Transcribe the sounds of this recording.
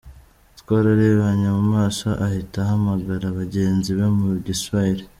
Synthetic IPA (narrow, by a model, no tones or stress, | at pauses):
tkwaɾaɾeβaɲamumaːʃaʔahitahamaɡaɾaβaɟe̞ːnziβemuβɟiswaiɾe